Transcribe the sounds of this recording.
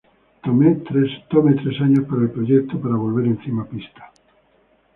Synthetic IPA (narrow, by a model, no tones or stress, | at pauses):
t̪omet̪ɾest̪omet̪ɾesaɲospaɾaelpɾoʝek̚t̪opaɾaβ̞olβeɾẽn̟θimapist̪ḁ